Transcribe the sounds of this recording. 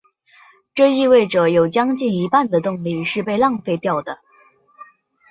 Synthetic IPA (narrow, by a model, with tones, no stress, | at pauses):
ʈ͡ʂɤ˥˧i˥˧we˥˩ɪʈ͡ʂɤ˨˩jo˨˩ʊt͡ɕjɑ˥ŋt͡ɕi˥˩ni˧˥pa˥˩nd̪ə˩t̪ʊ˥˧ŋli˥˧ʂɻ̩˥˧pe˥˧ɪlɑ˥˩˧ŋfe˥˧ɪt̪jɑ˥˩ʊd̪ə˩